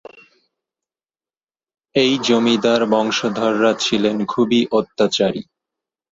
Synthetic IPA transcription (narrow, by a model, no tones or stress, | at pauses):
ejd͡ʑomid̪aɾbɔŋʃod̪ʱɔɾːat͡ɕʰilenkʰubiʔot̪ːat͡ɕaɾḭ